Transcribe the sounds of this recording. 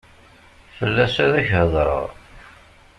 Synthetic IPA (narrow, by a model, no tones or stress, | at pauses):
fəlːæsæðæçhəðˤɾˤə̰ʁ